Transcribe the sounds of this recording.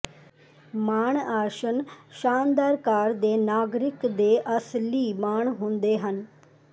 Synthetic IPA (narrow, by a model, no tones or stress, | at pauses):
maːɳaːɾʃənʃaːnd̪aːɾkaːɾd̪eːnaːɡɾɪkd̪eːʔəsliːmaːɳɦʊ̃nd̪eːɦən